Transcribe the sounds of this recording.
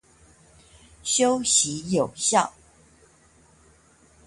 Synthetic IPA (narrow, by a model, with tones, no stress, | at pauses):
ɕjo˦ʊɕi˨˦jo˨˩ʊɕjɑ˥˨ʊ